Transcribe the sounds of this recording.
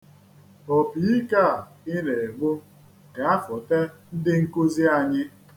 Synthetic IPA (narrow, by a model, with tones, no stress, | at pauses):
o˨pi˨i˦ka˦˨ | ɪ˦ne˨e˨ɡ͡bu˦ | ka˦fʊ˨te˦n̩˦dɪ˦ŋ̩˦ku˦zi˦a˨ɲɪ˦